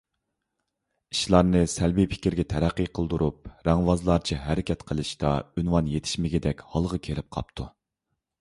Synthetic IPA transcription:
iʃlˠɑɾnɨsælbipʰɪ̥kʲiɾɡʲɛt̪ʰɛɾæqːijqʰəlˠd̪uɾʔup̚ɾɛŋwɑzlˠɑɾt͡ʃʰiɦæɾɪkʲʰɛt̪qʰəlˠɨʃt̪ɑ̰ynwɑnjet̪ʰɪ̥ʃmɪɡʲɛd̪ɛkʲhɑlˠʁɑkʲʰelɪp̚qʰɑ̰p̚t̪ʰu

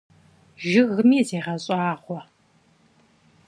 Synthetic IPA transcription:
ʒɪɣmiːzeːʁɐɕʼaːʁʷɔ

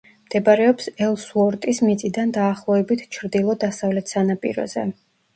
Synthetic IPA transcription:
md̪̥ɛbaɾɛɔpsɛlˠsuɔɾt̪ʼismit̪sʼid̪and̪aːχlˠɔɛbit̪ʰt͡ʃʰɾd̪ilˠɔd̪asavlɛt̪ʰsanapʼḭɾɔ̰zɛ̰

